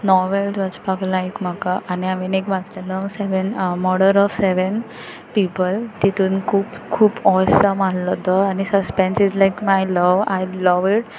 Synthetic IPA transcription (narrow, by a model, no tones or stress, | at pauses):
nɔɾʋeld͡zʋat͡spaklaekmakaʔaniamenekʋat͡sleləseʋənmɔɽəɾɔʋseʋən | pipəlt̪it̪uːnkʰuːpkʰuːpɔsəmallɔt̪ɔanisəspẽnsid͡zlajkmajləʋa̰jləʋiʈ